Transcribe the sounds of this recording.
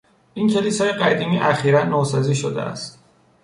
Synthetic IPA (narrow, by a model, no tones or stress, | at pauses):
ʔincʰe̞liːsɒːjeɢæd̪iːmiːʔæxiːɾænːoːsɒziːʃod̪ḛʔæ̰st̪